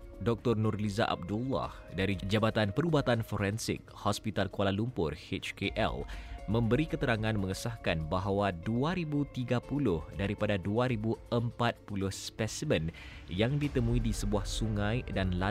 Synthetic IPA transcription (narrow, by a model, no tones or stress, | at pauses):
dɔk̚t̪ɔrnʊrlizaʔa̰b̚dulːɔ̰h | daɾid͡ʒabat̪anpəɾubat̪anfoɾɛnsɪ̰k̚hɔspit̪alkualalumpʊ̰rhet͡ʃkeʔɛ̰lmə̃mbəɾikət̪əɾaŋãnmə̃ŋəsahkanbaɦawaduaɾibut̪iɡapulʊhdaɾipadaduaɾibuəmpat̪̚pulʊhspɛsimə̃n | jaŋdit̪əmũidisəbuahsuŋãjdanla